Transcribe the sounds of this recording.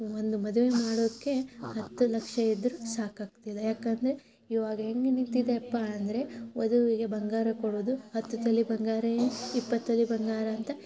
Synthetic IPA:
ond̪umɐd̪uʋe̞maːɽod̪kːe̞hɐt̪ːulɐkʂɐid̪ɾusaːkaːɡ̚t̪ilːɐjaːkɐnd̪ɐɾe | iʋaːɡɐɦe̞ŋɡenint̪ːid̪eːpːaɐnd̪ɐɾe̞ʋɐd̪uʋiɡe̞bɐŋɡaːɾɐkoɽud̪uhɐt̪ːut̪ɐlːibɐŋɡaːɾɐjenipːɐt̪ːɐlːibɐŋɡaːɾɐːnt̪ɐ

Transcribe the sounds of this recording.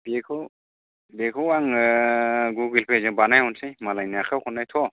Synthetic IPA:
bekʰɯ | bekʰɯwaŋ | ɡuɡilpʰezɯŋbanajhɔnsejmalajnaakʰawkʰɔnːajtʰɔ

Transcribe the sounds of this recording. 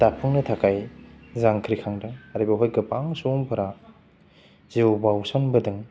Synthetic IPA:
d̥apʰɯŋnɐtʰakʰajzaŋkʰɾikʰaŋdɐaɾibɐɦojɡɐpaŋsoŋpʰɐɾa | zewbawsɐnbɐdɯŋ

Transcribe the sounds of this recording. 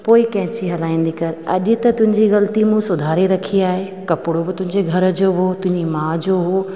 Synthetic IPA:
poːɪkɐ̃ɦɪ̃t͡ɕiɦɐlaːĩːn̆d̪ikɐɾɐ̰ʄʊ̆t̪ɐt̪ʊ̃ɦɪ̃ɲd͡ʑiɣɐlt̪imũsʊd̪ʱaːɾiɾɐkʰiaːɦeː | kɐpɪɽobɪt̪ʊ̃ɦɪ̃ɲd͡ʑeɡʱɐɾə̆d͡ʑoːɦoːt̪ʊ̃ɦɪ̃ɲd͡ʑimãːd͡ʑoːɦoː

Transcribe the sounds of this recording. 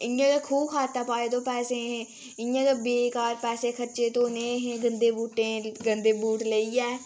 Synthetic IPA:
ɪjãːk̪eːkʰuːbkʰaːt̪aːpaːeːt̪õːpɛːseːɦẽ | ɪjãːk̪eːbeːkaːɾpɛːseːkʰəɾt͡ʃeːt̪õːneːɦẽːɡənd̪eːbuːʈẽːɡənd̪eːbuːʈləiːɛː

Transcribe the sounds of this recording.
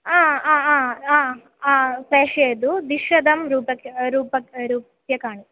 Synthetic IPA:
aːaːaːaː | aːpɾeːʂeːd̪ud̪iʂɾɐd̪ɐmɾuːpɐkɐɾuːpɐɾuːpɐkjɐkaːɳi

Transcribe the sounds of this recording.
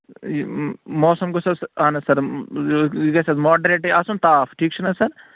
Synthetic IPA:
mɔːsɐmɡosɐsaːnɐsɐɾ | ɡɐsɐzmoːɖɐɾeːʈiasunt̪aːfʈʰiːkt͡ʃʰunɐsɐɾ

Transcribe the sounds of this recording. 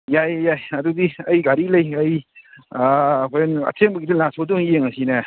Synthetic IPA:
jajjajɐdudiɐjɡaɾilɐjɐj | kʰɔjnɐ̰tʰeŋbəɡidɯlasʰodoŋjeŋasinɐ

